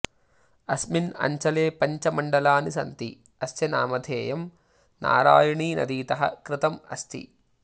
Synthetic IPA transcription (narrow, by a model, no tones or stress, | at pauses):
ɐsminɐ̰ɲt͡ʃɐleːpɐɲt͡ʃɐmɐɳɖɐlaːnisɐ̰nt̪i | ɐst̪jɐnaːmɐd̪ʱeːjɐm | na̰ːɾaːjɐɳiːnɐ̰d̪iːt̪ɐɦɐ̰kɾɪt̪ɐmɐ̰st̪ʰḭ